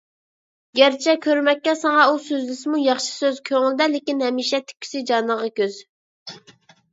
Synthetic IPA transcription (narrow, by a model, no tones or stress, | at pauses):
ɡʲæɾt͡ʃʰɛkʲʰøɾmɛkʲːɛsɑŋɑusøzlɪsɪmujɑχʃi̥søzkʲʰøŋɪld̪ɛlɪkʲinhɛmiːʃɛt̪ʰɪ̥kʲʰːy̥sɪd͡ʒɑnəʁɑkʲøz̥